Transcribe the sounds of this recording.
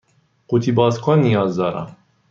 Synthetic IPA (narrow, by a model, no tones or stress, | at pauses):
qut̪ʰibɑːzkʰɔnːijɑːzd̪ɑɾa̰